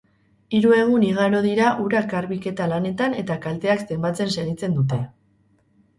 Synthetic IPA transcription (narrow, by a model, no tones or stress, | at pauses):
iɾue̞ɣ̞uniɣ̞aɾo̞ðiɾaʔuɾakaɾβike̞t̪alane̞t̪ane̞t̪akalt̪e̞akse̞mbat͡se̞nse̞ɣit͡se̞nd̪ut̪e̞